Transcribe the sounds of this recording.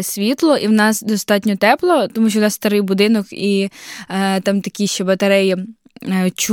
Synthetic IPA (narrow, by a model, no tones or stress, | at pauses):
sʲʋʲit̪lˠɔʔiwnɑsd̪ɔst̪ɑtʲnʲɔt̪ɛplˠɔt̪ɔmuʃʲt͡ʃɔwnɑsst̪ɐɾɪjbʊd̪ɪnɔki | t̪ɑmt̪ɐkɪjʃt͡ʃɛbɐt̪ɐɾɛj | t͡ʃ